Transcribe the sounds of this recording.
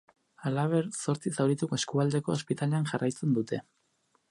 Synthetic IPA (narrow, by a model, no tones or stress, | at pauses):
alaβ̞e̞ɾso̞ɾt͡sisawɾit̪ukoe̞skuald̪e̞ko̞ːspit̪ale̞anʝarajt͡se̞nd̪ut̪e̞